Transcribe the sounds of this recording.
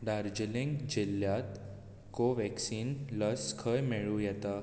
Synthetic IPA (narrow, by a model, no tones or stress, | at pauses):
ɖaɾd͡ʑleŋɡd͡ʑiljat̪ | koʋɛksiːnləskʰəjmeɭujɛt̪a